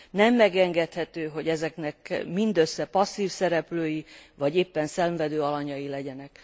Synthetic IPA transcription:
nɛmːɛɡɛŋɡɛt̪hɛt̪øːɦo̞ɟɛzɛknɛkmind̪øsːɛpɒsːiːfsɛɾɛpløːjivɒɟeːpːɛnsɛɱvɛd̪øːɒlɒɲɒjilɛɟɛnɛk

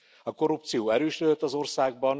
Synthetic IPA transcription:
ɒko̞ɾupt̪sijoːɛɾøːʃlød̪øt̪ːɒzo̞rsaːɡ̚bɒn

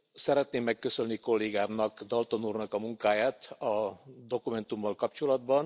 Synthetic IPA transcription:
sɛɾɛt̪neːmːɛkːø̞sønniko̞lːeːɡaːrnɒkd̪ɒlt̪onuːrnɒkɒmuŋkaːjaːt̪ɒd̪o̞kumɛnt̪umːɒlkɒpt͡ʃo̞lɒd̪bɒn

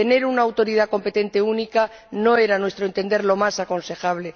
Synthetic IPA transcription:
ene̞ɾunaːwt̪o̞ɾið̞ako̞mpe̞t̪e̞nt̪e̞unika | no̞e̞ɾanwe̞st̪ɾo̞ent̪end̪e̞ɾlo̞masako̞nse̞xaβle̞

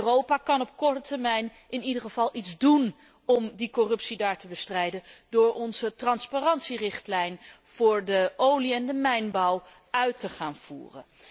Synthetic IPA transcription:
rowpaːkɑnɔp̚kɔɹtətəɹmɛjn | ɪnidəχəv̥ɑlˠidzdun | ɔmdikɔrɵpsidaːɹtəbəstrɛjdəndʊːɹʔɔnzətrɑnspaːrɑntsirɪχtlɛjnv̥ʊːɹdəowliɛndəmɛjnbɑw | œɥtəχaːnv̥ṵːrə̰n

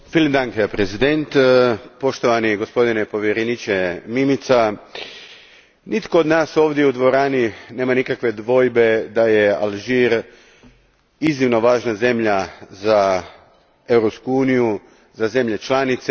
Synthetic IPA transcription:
filimd̪aŋɡeapɾezid̪ent̪po̞ʃt̪o̞ʋaniɡo̞spo̞d̪inepo̞ʋjeɾenit͡ʃe̞mimit̪sa | nʔit̪kood̪naːso̞ːʋd̪je̞ud̪ʋo̞ɾaːnine̞ːmanikakʋe̞d̪ʋo̞jbe̞d̪aje̞a̰lʒiːɾ | iznimno̞ʋaːʒnaze̞mʎaza | e̞wɾopskuuːniju | zaze̞mʎe̞t͡ʃlanit̪se

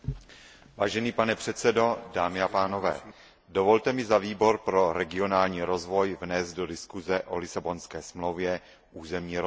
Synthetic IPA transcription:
vaːʒɛniːpanɛpr̝̥ɛt̪sɛdo̞daːmɪapaːno̞vɛ̰ː | do̞vo̞lt̪ɛmɪzaviːbo̞ɾpɾo̞ɾɛɡɪo̞naːlɲiːɾo̞zvo̞jvnɛzt̪̚do̞dɪskuzɛʔo̞̰lɪsabo̞nskɛːsmlowvjɛ | ʔuːzɛmɲiːɾo

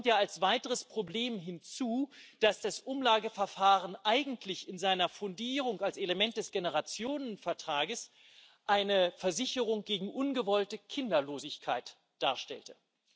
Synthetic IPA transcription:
ɔmtjaːalsv̥aɪtəʁ̞əspʁ̥obleːmɦɪnt͡suːd̥asd̥asʔʊmlaːɡəfɛɐfaːʁənʔaɪɡŋ̩tʰlɪçɪnzaɪnɐfʊndiːʁ̞ʊŋalseləmɛnt̚d̥ɛsɡ̥enəʁat͡sjoːnənfɛɐtʁ̥aːɡəs | ʔaɪnəfɛɐzɪçəʁ̞ʊŋɡ̥eːɡŋ̩ʔʊnɡəvɔltəkʰɪndɐloːzɪçkʰaɪt | d̥aːɐʃtɛ̰ltə

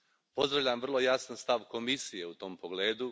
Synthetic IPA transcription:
po̞zd̪ɾaʋʎamʋr̩lˠo̞jasanst̪aʋko̞misije̞ut̪o̞ːmpo̞ɡleːd̪u

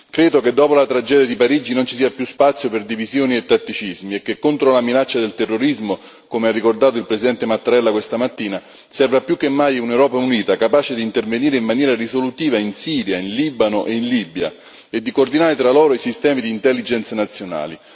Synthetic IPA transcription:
kɾeːd̪oked̪ːɔːpolat̪ɾad͡ʒɛːd̪jad̪ipaɾiːd͡ʒinont͡ʃisiːapjuspat̪sːjoperd̪ivizjoːniet̪ːat̪ːit͡ʃizmiekːekːont̪ɾolaminat͡ʃːad̪elt̪erːoɾizmo | komearːikord̪aːt̪̬oilpɾesid̪ɛnt̪emat̪ːaɾɛlːakwest̪amat̪ːiːna | sɛrvapːjukːemːajunewɾɔːpauniːt̪akapaːt͡ʃed̪iːnt̪erveniːɾeimmanjɛːɾarizolut̪iːvainsiːɾjainliːbanoʔeinlibja̰ | ed̪ːikord̪inaːɾet̪ɾalɔːɾoisist̪ɛːmid̪iːnt̪ɛlːid͡ʒɛnt̪sanat̪sːjona̰ːli

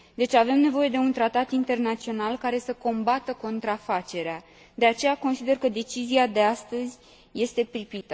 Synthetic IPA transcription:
d̪e̞t͡ʃʲave̞mne̞vo̞je̞d̪e̞unt̪ɾat̪at̪int̪e̞rnat̪sio̞nalkaɾe̞səko̞mbat̪əko̞nt̪ɾafat͡ʃe̞ɾea | d̪e̞at͡ʃe̞jako̞nsid̪e̞rkəd̪e̞t͡ʃiziad̪e̞ast̪əzʲ | je̞st̪e̞pɾipit̪ə

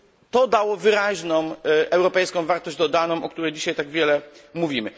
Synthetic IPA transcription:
t̪ɔd̪awɔvɘɾaʑnɔ̃w̃ʔɛwɾɔpɛjskɔ̃w̃vaɾt̪ɔʑd͡ʑd̪ɔd̪anɔ̃w̃ʔɔkt̪uɾɛjd͡ʑiɕajt̪aɡvʲjɛlɛmuvʲimɘ

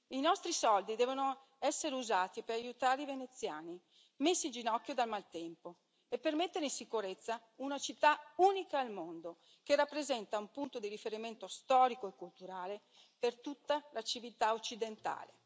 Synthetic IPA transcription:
inɔst̪ɾisɔld̪id̪ɛːvono | ɛsːeɾeuzaːt̪ipeɾajut̪aːɾeivenet̪sːjaːni | mesːind͡ʒinɔkːjod̪almalt̪ɛmpo | epːermet̪ːeɾeinsikuɾet̪sːa | unat͡ʃit̪ːauːnikaːlmond̪o | k̟erːapːɾezɛnt̪aumpunt̪od̪iɾifeɾiment̪ost̪ɔːɾikoekːult̪uɾaːle | pert̪ut̪ːalat͡ʃivit̪aot͡ʃːid̪ent̪a̰ːlḛ

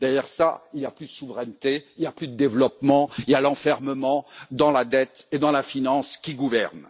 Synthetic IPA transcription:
d̪̥ɛʁjɛʁsa̰iljaplyd̪əsuvʁɛnt̪eilijaplyd̪əd̪evlɔpmɑ̃iljalɑ̃fɛʁməmɑ̃d̪ɑ̃lad̪ɛt̪ed̪ɑ̃lafinɑ̃skʲiɡuvɛ̰ʁn

